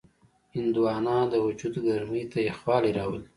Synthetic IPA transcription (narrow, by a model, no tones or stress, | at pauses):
hɪnd̪uwɑːnɑd̪əwʊd͡ʒud̪ɡaɾmijt̪ajexwɑliɾɑwəl